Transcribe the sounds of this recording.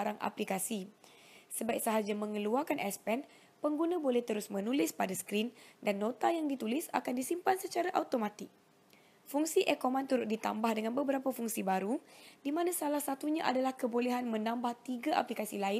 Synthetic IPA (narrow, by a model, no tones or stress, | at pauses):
aɾaŋʔa̰plikasi | səbajp̚saɦad͡ʒamə̃ŋəluakanʔɛspɛn | pəŋɡunãbolɛht̪əɾʊsmə̃nulɪspadasə̥kɾindanːõt̪ajaŋdit̪ulɪsa̰kandisimpansət͡ʃaɾaʔawt̪omãt̪ɪk̚ | fuŋsiʔɛkomãnt̪uɾʊt̪̚dit̪a̰mbahdəŋanbəbəɾapafuŋsibaɾudimãnãsalahsat̪uɲãʔa̰dalahkəbolɛɦanmə̃nãmbaht̪iɡaʔa̰plikasilaɪn